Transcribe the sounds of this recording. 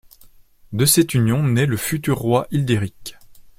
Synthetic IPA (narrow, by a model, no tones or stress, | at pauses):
d̪əsɛt̪ynjɔ̃nɛləfyt̪yʁːwaʔild̪eʁik